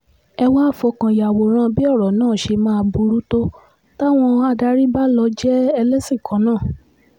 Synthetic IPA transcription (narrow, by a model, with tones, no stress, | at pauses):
ɛ˧wa˦˨fɔ˧kã˨ja˨wo˨ɾ̃ã˦˨˧bi˦ɔ˦˨ɾɔ˨nãː˦˨ʃe˧mãː˦˧bu˧ɾu˦to˦ | ta˦w̃ɔ̃˧a˧da˧ɾi˦ba˦lɔ˧˦d͡ʒɛ˦ɛ˧lɛ˦sĩ˦˨kã˨˦nãː˦˨